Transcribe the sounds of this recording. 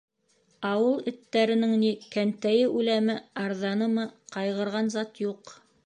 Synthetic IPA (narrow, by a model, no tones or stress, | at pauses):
ɑwɤlˠɘ̆t̪ːæɾɘ̆nɘŋnikænt̪æjɘʔʉlæmɘɑɾðɑnɤmɤqɑjʁɤ̆ɾʁɑnzɑt̪juq